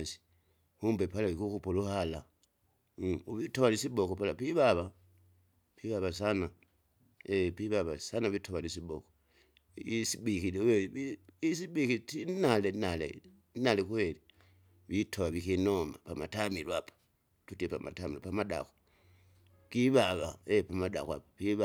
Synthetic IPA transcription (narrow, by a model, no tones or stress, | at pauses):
si̥ | humbepalaβikukupoluhala | uβitoβalisibokopalapiβaβa | piβaβas̬ana | epiβaβasanaβitʰoβalisiboko | isibikilujeβiisiɓikitinalenalḛ | nalekweli | βitʰoβaβikinoma̰pamatamilwapḁ | tutepa̰ma̰tamiɾopamada̰xo̥ | kiβaβaepamada̰xoa̰papiβa